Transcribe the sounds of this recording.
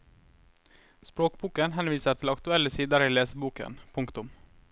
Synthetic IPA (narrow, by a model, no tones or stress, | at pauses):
spɾoːkbuːkənɦɛnʋiːsət̪ʰɪlɑkt̪ʉɛləsiːd̪əɾiːleːsəbuːkə̰npʰʊŋkt̪ʊm